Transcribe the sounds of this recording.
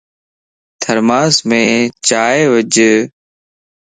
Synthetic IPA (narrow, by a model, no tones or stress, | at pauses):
t̪ʰəɾmaːsmẽːt͡ʃaːeːʋəd͡ʒ